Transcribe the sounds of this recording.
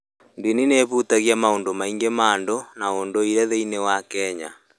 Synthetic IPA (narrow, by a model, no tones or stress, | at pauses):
ndinineβutaɣjamaondomaiŋɡemandonaondoiɾɛðeinewakɛɲa̰